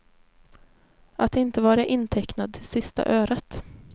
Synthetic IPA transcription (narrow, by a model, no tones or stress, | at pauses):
ʔat̪ːɪnt̪əvɑːɾaʔɪnːt̪ʰɛknad̪̚t̪ʰɪlsɪst̪a̰ʔøːɾət̪